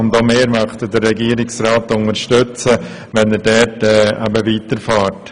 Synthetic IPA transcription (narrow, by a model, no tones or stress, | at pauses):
ʊndomeːɾmɑχt̪dərːɛɡiːəɾɪksɾaːtʊŋəɾʃtʏt͡sə | ʋɛnɛɾdɛɾtɛːʔɛbəʋiːtəɾfaːɾt